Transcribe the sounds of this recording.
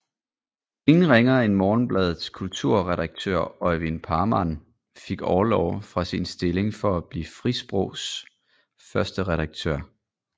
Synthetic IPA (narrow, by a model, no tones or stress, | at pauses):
e̝ŋn̩ʁeŋɐe̝nmɒːn̩b̥lɛːð̞ˠskʰult͡sʰuɐ̰ʁɛɾɑ̈ɡ̥̚t͡sʰø̰ɐ̰ɒɪʋinpʰɑ̈ːmæn | fe̝ɡ̥ɒʊɐlɒʊ̰fʁɑ̈sinsd̥e̝le̝ŋfɒ̽æb̥liːfʁisb̥ʁɔʊs | fɶɐsd̥əʁɛɾ̥ɑ̈ɡ̥̚t͡sʰø̰ɐ̰